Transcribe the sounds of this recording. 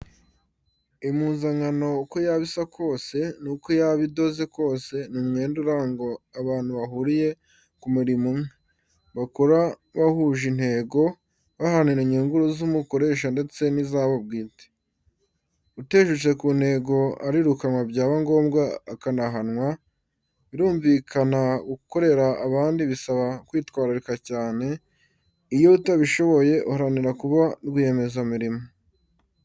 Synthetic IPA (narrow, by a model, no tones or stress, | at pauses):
imuːnzaŋano̞uko̞jaβisakʰo̞ːse̞nukojaβido̞ze̞ko̞ːse̞numŋe̞ːnduɾaŋɡo̞aβaːn̥huβaɦuɾije̞ | kumuɾimumŋe | βakoɾa | βahuʒin̥he̞ːɡo̞ | βahaniɾeɲuːŋɡuɾozumuko̞ɾe̞ːʃ̬ande̞t͡se̞nizaβab̚ɡiːte̥ | ute̞ːʃut͡ʃe̞kuːn̥he̞ːɡo̞a̰ɾiɾukanwabɟaːβaŋɡo̞ːmɡaːkanaɦanŋwa | βiɾuːɱvikʰanauuko̞ɾe̞ɾaːβaːndiβisaβakwiːtkwaːɾiɾikacaːne̞ | ijo̞utaβiʃo̞βo̞je̞ʔuhaɾaniɾakuβaɾɡuje̞me̞zamiɾimo